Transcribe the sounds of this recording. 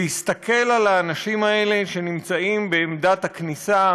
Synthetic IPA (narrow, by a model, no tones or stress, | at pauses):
ist̪akʰe̞lalaːnaʃimae̞le̞ʃe̞nimt͡saimbeːmdathaknisa